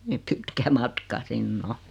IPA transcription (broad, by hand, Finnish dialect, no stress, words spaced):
niː ni pitkæ mɑtkɑ sinː o